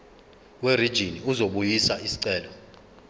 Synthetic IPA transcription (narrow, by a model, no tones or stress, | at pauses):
werid̥ʒ̥ʱiniuzoɓujisaisi̥ǀɛːlɔ